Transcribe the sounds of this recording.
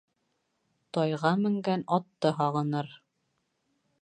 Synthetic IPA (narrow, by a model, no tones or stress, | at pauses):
t̪ɑjʁɑmɘ̆ŋɡænɑt̪ːɤɦɑʁɤ̆nɤɾ